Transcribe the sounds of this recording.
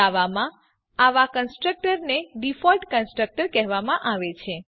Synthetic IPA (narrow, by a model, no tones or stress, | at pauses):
aʋamã | aʋakənsʈɾək̚ʈəɾneɖifɔlʈkənsʈɾək̚ʈəɾkɛɦʋamãʔaʋet͡ʃʰe